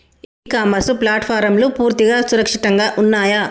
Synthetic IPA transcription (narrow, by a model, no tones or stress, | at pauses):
iːkaːmɐsuplaːʈpʰaːɾɐmloːpuːɾt̪iɡaːsuɾɐkʂiʈɐŋɡaːʔunːaːja